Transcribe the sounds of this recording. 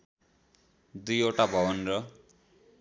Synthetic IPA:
d̪ujoʈabʱʌbʌnrʌ

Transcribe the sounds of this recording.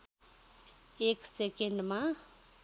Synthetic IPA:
eksekeɳɖmã

